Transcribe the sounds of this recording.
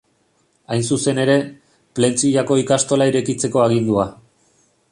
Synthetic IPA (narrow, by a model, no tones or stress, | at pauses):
ajnsuse̞ne̞ɾe̞ | ple̞nt͡siʎako̞ikast̪o̞laiɾe̞kit͡se̞ko̞aɣ̞ind̪ua